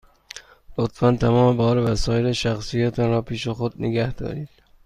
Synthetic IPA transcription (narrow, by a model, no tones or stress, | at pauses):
lot̪fænt̪ʰæmɒːmebɒːɾevæsɒːjeɾeʃæxsijæt̪ʰænɾɒːpʰiːʃexod̪neɡæhd̪̥ɒ̰ːɾiːd̪̥